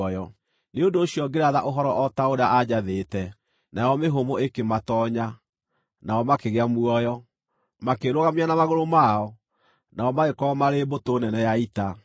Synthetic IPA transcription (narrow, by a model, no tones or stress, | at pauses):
jɔ | neondoːɕiɔɡeɾaðaʔoɦɔɾɔʔɔtaoɾeaʔad͡ʑaðetɛ | najɔmeɦomoekematɔɲa | naɔmakeɣeamwɔjɔ | makeɾoɣameanamaɣoɾomaɔ | naɔmaɣekɔmaɾebotoːnɛnɛjaita